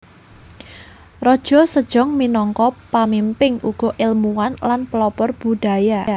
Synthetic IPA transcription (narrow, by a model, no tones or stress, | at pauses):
rɔd̥ʒ̥ɔ̤səd̥ʒ̥ɔŋminɔŋkɔpamimpɪŋuɡ̥ɔ̤ʔɪlmuwanlanpəlɔpɔrb̥ṳd̥a̤ja